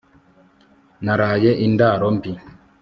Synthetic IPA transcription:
naɾaːjɛʔindaːɾɔmpi

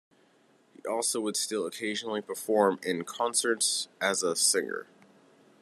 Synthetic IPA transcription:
hiʔɔlˠsoʊwəd̥stɪlˠəkʰeɪʒnl̩ˠipʰə˞fɔɹmɪ̃nkʰɑ̃nsə˞tsɨzəsɪ̃ŋə̰˞

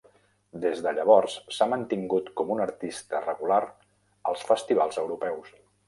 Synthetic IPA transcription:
d̪ezðəʎəβɔrssamənt̪iŋɡut̪kɔmunəɾt̪ist̪ərəɣulaɾ | əlˠsfəst̪iβ̞alˠzəwɾupɛws

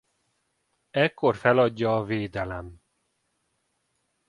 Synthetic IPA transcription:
ɛkːo̞rfɛlɒɟːɒːveːd̪ɛlɛm

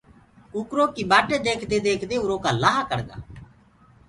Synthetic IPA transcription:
ʊkɾoːkiːbaːʈeːd̪eːkʰd̪eːd̪eːkʰd̪eːʊɾoːkaːlaːɦakəɽɡ̪a̰ː

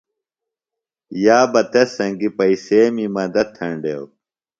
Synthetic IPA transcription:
jaːbɐt̪esɐ̃ŋɡipɐiseːmimɐd̪ɐt̪ʰːɐɳɖew

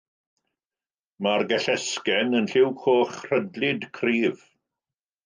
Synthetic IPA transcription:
marɡɛɬɛskɛnənɬɪwkʰoːχr̥ədlɪdkʰriːv̥

